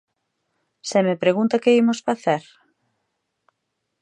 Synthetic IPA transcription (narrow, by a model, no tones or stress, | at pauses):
semepɾeɣunt̪akeimosfaθɛɾ